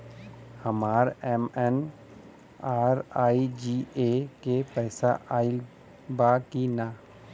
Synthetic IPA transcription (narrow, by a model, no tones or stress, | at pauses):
həmaːɾɛmɛn | aːɾaːid͡ʒiekepɛːsa̰ʔaːɪl | bakina